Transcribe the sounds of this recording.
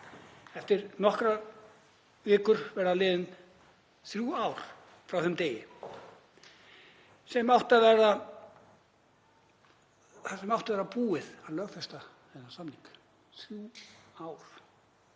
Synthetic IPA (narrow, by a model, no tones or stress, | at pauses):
ɛft̪ɪɾnɔhkɾa | vɪːkʏɾvɛɾðalɪːðɪn | θɾjuːaːwɾ̥ | fɾawθʏmt̪eːjɪ | sɛmawht̪avɛɾða | θasɛmawht̪avɛɾðapuːɪðaðlœːɣfɛst̪a | θɛnːasamniŋk | θɾjuːaːwɾ̥